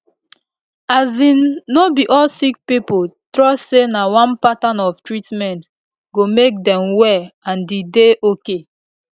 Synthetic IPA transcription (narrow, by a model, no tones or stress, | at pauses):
azĩnːobiʔɔlsik̚pipotɾɔssenawɔ̃npatanɔftɹitmɛ̃nt | ɡomek̚dɛ̃mwɛãndideʔoke